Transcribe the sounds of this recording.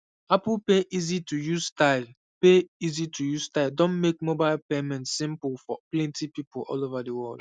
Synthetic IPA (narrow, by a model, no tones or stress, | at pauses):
apl̩ˠpeʔizitʰujuztaɪl | peizitʰujuz̥taɪldõnmek̚mobaɪlˠpemɛ̃ntsĩmplfɔplɛ̃ntipipʊlʔɔ̰lovadəwɜlˠd̥